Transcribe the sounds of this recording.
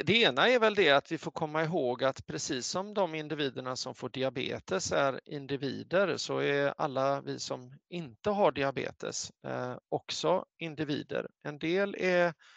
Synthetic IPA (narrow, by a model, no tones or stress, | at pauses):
d̪ɛeːnaɛɾvɛld̪ɛat̪vɪfoːɾkʰɔmːaɪɦoːɡat̪pʰɾɛsiːsːɔmd̪ɔmɪnd̪ɪviːd̪əɳasɔmfoːɖɪabḛːt̪əsæɾɪ̰nd̪ɪviːd̪əɾsɔɛɾa̰lːavɪ̰sɔmɪnt̪əɦaɖɪabḛːt̪ə̰s | ɔksɔɪnd̪ɪviːd̪ə̰ɾɛnd̪eːlɛ